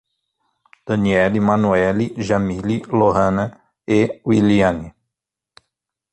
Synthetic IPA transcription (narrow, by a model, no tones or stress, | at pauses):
d̪̥ɐniɛlimãnuɛliʒamililoɦɐ̃nɐ | ewiliɐ̃ni